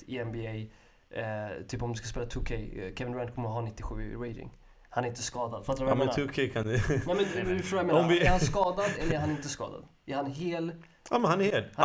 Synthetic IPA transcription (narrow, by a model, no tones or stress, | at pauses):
ɪɛmbɪɛj | t̪ʰyːpɔmd̪ɵskaspeːlat̪ʰʉkʰɛjkʰɛvɪnbɾant̪kʰɔmːəɾɦanɪt̪ːɪɧʉ̟̰ːɪ̰ɾɛjd̪ɪ̰ŋ | hanæɾɪnt̪ːəskɑːd̪ad̪fat̪ːaɾmɛʉkʰɛjkʰanɛmɛnɛɪfʂoːjɛmeːɔmɪɛɾhanskɑːd̪ad̪ɛlːəæɾhanɪnt̪əskɑ̰ːd̪a̰d̪ | æɾhanɦeːl | a̰mɛnhanɛɾheːlh